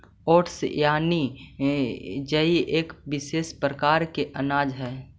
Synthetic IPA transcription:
ɔːʈsjaːni | d͡ʒəiʔeːkbɪʃeːspɾəkaːɾkeʔɐnaːd͡ʒɦɛː

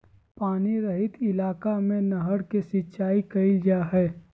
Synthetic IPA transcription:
paːniɾɐɦɪt̪ɪlaːkamẽnɐɦəɽkesɪtːt͡ʃaːikɐɪld͡ʒaɦɛː

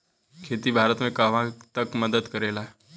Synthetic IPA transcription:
kʰet̪iːbʱaɾət̪mẽkaʋãt̪əkməd̪əd̪kəɾela

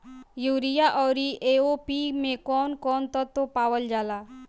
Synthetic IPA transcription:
juɾijaʔɔwɾiʔeopimekɔnkɔnt̪ɔt̪ːopawəld͡ʒala

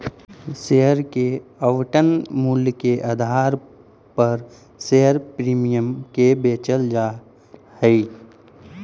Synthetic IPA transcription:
seɦəɾkeəʋʈənmuːlkeʔəd̪ʱaːɾ | pəɾ | seɦəɾpɾiːmijəmkebeːt͡ʃəld͡ʒa | həi

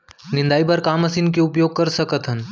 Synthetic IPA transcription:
nɪ̃nd̪aːipɐɾkaːmɐsiːnkeʊpjoːɡ̚kɐɾsɐkət̪ɦən

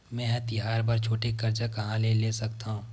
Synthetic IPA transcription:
mɛ̃ːɐt̪ɪɦaːɾbɐɾt͡ʃʰoːʈekɐɾt͡ʃakɐɦãlelesɐkt̪aɦũː

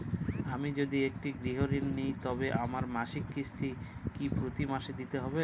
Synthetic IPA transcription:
amid͡ʑod̪iek̚ʈiɡɾiɦoɾinːijt̪ɔbeʔamaɾmaʃikːist̪ʰikipɾot̪imaʃed̪it̪eɦɔbe

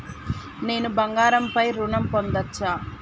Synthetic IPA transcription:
ne̞ːnubɐŋɡaːɾɐmpɐjɾuɳɐmpond̪ɐt͡ʃːaː

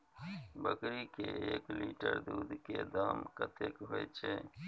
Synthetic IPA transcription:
bəkɾikeeːkliːʈəɾd̪uːd̪ked̪aːmkət̪ʰekɦoet͡ʃʰeː

